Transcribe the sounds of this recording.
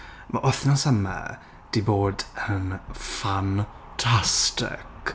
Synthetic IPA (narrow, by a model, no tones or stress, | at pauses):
maʔɔθnɔsəma̰ | d̥iboːdənfan | tʰastɪ̰k